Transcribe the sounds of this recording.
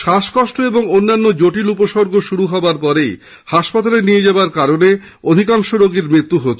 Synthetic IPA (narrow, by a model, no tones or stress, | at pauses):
ʃaʃkɔʃʈoeboŋonːanːod͡ʑoʈilupoʃoɾɡʱoʃuɾuɦɔaɾpɔɾej | haʃpat̪alenied͡ʑabaɾkaɾone | od̪ʱikaŋʃoɾoɡeɾmɾit̪ːuɦot͡ɕʰe